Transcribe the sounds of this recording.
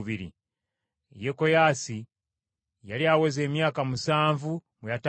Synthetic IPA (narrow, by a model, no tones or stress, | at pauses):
βiɾḭ | jeko̞jasi | jaliaweze̞ːmjaːkamusaːɱvumwejat